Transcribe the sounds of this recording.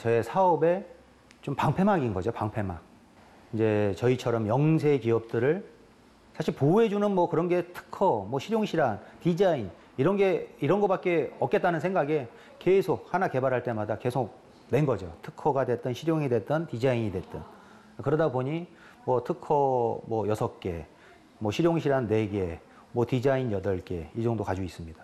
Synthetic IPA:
t͡ɕʌe̞sʰaʌbe̞ | t͡ɕompaŋpʰe̞maɡinɡʌd͡ʑopaŋpʰe̞mɦa̰ɡ̚ | ind͡ʑe̞t͡ɕʌit͡ɕʰʌɾʌmjʌŋsʰe̞kiʌp̚t͈ɯɾɯɭ | sʰaɕʰiɭpoe̞d͡ʑunɯnmwʌkɯɾʌnɡe̞tʰɯ̥kʰʌmwʌɕʰiɾjoŋɕʰiɾantid͡ʑain | iɾʌnɡe̞iɾʌnɡʌpat̚k͈e̞ʌk͈e̞t͈̚anɯnsʰŋɡaɡe̞ | ke̞sʰok̚hanake̞baɾɦaɭt͈e̞madake̞sʰok̚ | ne̞nɡʌd͡ʑotʰɯ̥kʰʌɡadwe̞t͈ʌnɕʰiɾjoŋidwe̞t͈ʌntid͡ʑaiɲidwe̞t͈ʌn | kɯɾʌdaboɲi | mwʌtʰɯkʰʌmwʌjʌsʰʌk̚k͈e̞̰ | mwʌɕʰiɾjoŋɕʰiɾanːe̞ɡe̞ | mwʌtid͡ʑainjʌdʌɭk͈e̞̰id͡ʑʌŋdokad͡ʑois͈ɯmɲid̥ḁ

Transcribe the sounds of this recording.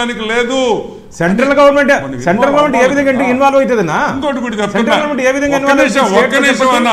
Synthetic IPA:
nikileːd̪u | seɳʈɾɐlɡɐʋɐɾmeɳʈ | seɳɐɾɐlɡɐɾmeɳʈeːʋid̪ʱɐŋɡɐɳʈeinʋaːlʋojt̪ɐd̪inːaːd̪oʈukuʈiɐseɳʈɾɐlɡɐɾmeɳʈeːʋid̪ʱɐŋɡainːʋaːlɐseːʈːɐɐsɐɐn

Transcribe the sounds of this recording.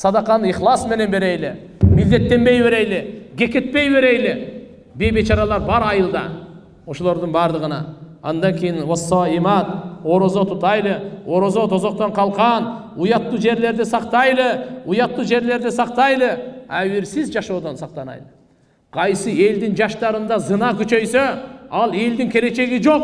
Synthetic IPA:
sɑd̪ɑqɑniχlˠɑsme̞ne̞nbe̞ɾejlɪ | mɪld̪e̞t̪ːe̞mbe̞jbe̞ɾejlɪɡʲe̞kʲe̞t̪̚pe̞jbe̞ɾejlɪ | be̞jbe̞t͡ʃɑɾɑlˠɑɾbɑɾɑjəlˠd̪ɑ̰ | wo̞ʃolˠoɾd̪əɴbɑɾd̪əʁənɑ̰ɑnd̪ɑŋkʲʰejɪnwɑsːɑimɑt̪o̞ɾozot̪ʰʊt̪ɑjlˠəo̞ɾozot̪ʰozo̞q̚t̪ɑɴqʰɑlˠqɑn | ujɑt̪ːuːd͡ʒe̞ɾle̞ɾd̪ɪsɑqt̪ɑjlˠəujɑt̪ːuːd͡ʒe̞ɾle̞ɾd̪ɪsɑq̚t̪ɑjlˠəæwɪɾsɪzd͡ʒɑʃowd̪onsɑq̚t̪ɑnɑ̰jlˠə | qʰɑjsɨe̞ld̪ɪnd͡ʒɑʃt̪ɑɾɯnd̪ɑzɨnɑkʲʰyt͡ʃø̞jsøɑlˠe̞ld̪ɪŋkʲʰe̞le̞t͡ʃe̞ɡid͡ʒo̞q̚

